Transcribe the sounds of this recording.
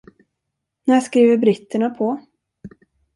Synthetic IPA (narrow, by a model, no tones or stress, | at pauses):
næːʂkɾiːvəɾbɾɪt̪ːəɳapʰɔ